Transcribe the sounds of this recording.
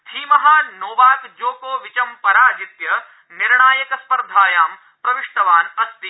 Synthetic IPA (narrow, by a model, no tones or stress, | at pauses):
t̪ʰiːmɐɦaːnoːʋaːkd͡ʒoːkoːʋit͡ʃɐmpɐɾaːd͡ʒit̪jɐ | niɾɳaːjɐkɐspɐɾd̪ʱaːjaːm | pɾɐʋiʂʈ̪ɐʋaːnɐst̪i